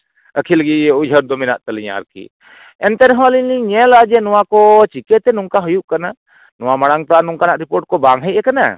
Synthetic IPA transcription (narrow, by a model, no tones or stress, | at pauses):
əkʰilɡiud͡ʒʱəɾd̪ɔminaʔt̪əliɲa̰ɾkḭ | ɛnt̪ɛɾɦɔ̃liliɲɛlad͡ʒɛnɔwakɔt͡ʃikɛt̪ɛnuŋkaɦujuʔkana | nɔw̃amaɽaŋt̪ɔanuŋkanaʔɾipoɾʈ̚kɔbaŋɦəjʔɛkana̰